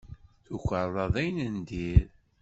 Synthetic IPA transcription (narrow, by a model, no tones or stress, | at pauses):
θuçʷəɾˤɑðˤæjnənd̪iɾ